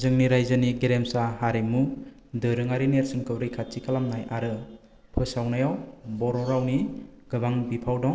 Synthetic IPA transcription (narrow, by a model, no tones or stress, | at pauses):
zɯŋniɾajzɯniɡeɾemsahaɾimu | dɯɾɯŋaɾineɾsɯŋkɯwɾɯjkʰat͡ʃikʰalamnajʔaɾɯ | pʰɯsawnajawbɔɾɔɾawniɡ̥ɯbaŋbipʰawdɔŋ